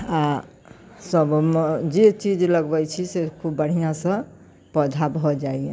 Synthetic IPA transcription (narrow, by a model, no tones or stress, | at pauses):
a | səbmd͡ʒet͡ʃid͡ʒləɡbɛt͡ʃʰisekʰubəɽ̤ijãsə̃ | pəd͡ʒʱabʱɔd͡ʒaie